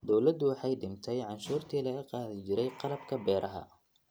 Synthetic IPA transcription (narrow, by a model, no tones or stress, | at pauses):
d̪ɔwlɐd̪ʊwɑħɑjɖɪnt̪ʰɛjʕɑnʃuːrt̪ʰiːlɐɣɐqɑːðɪt͡ʃɪɾɛjqɑlɐbkʰɐbɛːɾʔɐɦɐ̰